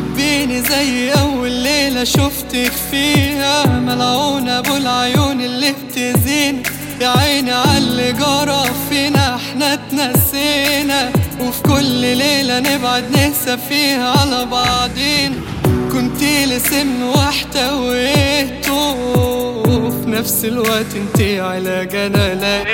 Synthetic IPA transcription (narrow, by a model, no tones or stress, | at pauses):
biːnizæjːʔawːalːeːlaʃʊft̪akfiːhæmalʕuːnʔabuːlʕajuːnɪlːibt̪ɪziːn | jaʕiːniʕalɪɡɑɾˤɑfinaʔħnat̪nasenawfi̥kʊlːleːlænɪbʕad̪nɪhsæfiːhæʕalæbɑʕd̪ˤiːn | kʊnt̪iːlɪsɪnːwaħt̪æwʔet̪u | fnæfsɪlwæʔt̪ʔɪnt̪iʕelæɡænælæ